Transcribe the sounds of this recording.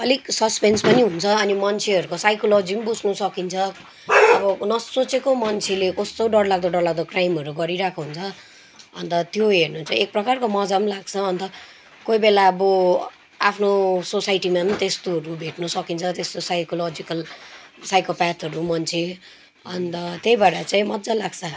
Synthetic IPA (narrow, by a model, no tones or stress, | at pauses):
ʌliksʌspenspʌniɦunt͡sʰʌʌnimʌnt͡sʰeɦʌɾukosajkolod͡zimbud͡zʱnusʌkint͡sʰʌ | ʌbʌnʌsot͡sekomʌnt͡sʰelekʌst̪oɖʌɽlaɡ̚d̪oɖʌɽlaɡ̚d̪okrajmʌɾuɡʌɾiɾakʰoɦunt͡sʰʌ | ʌ̰nt̪ʌt̪joɦernuːnt͡sʰʌek̚prʌkarkomʌd͡zamlaɡt͡sʰʌːnt̪ʌ | koibelaʌbʌ | apʰnososajʈimant̪est̪oɦʌɾubʱeʈnusʌkint͡sʰʌt̪est̪osajkolod͡zikʌlsajkopatɦʌɾumʌnt͡sʰe | ʌnt̪ʌt̪ejbaɽat͡saĩmʌd͡zalaɡt͡sʰa